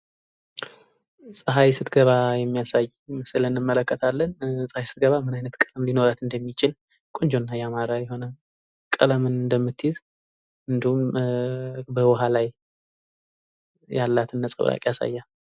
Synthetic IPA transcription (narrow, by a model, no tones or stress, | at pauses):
sʼɨɦajsɨt̪ɡəβajɛmːijasaj | məsɨlənɨmːələkːət̪ʰalːənsʼəhajsɨ̥t̪̚ɡəβamɨnajnət̪kʼələmlino̞ɾat̪ɨnd̪əmːit͡ʃɪl | kʼond͡ʒo̞nːajɛamaɾajɛɦo̞nə | kʼələmɨnɨnd̪əmːɨt̪ːjɪz | ɨnd̪ihum | bəwɔɦalaj | jalːat̪ɨnːəsʼə̰βɾʔa̰kʼjasa̰jːa